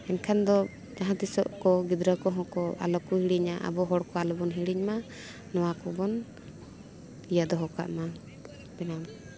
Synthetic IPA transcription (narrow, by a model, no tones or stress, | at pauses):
ɛnkʰand̪ɔ | d͡ʒaɦãt̪isɔ̰ʔkɔɡid̪ɾəkɔɦɔ̃kɔa̰lɔkuhiɽiɲaʔa̰bɔɦɔɽkɔalɔbɔnɦiɽiɲma | nɔwakɔbɔn | ijad̪ɔɦɔka̰ʔma | bɛnam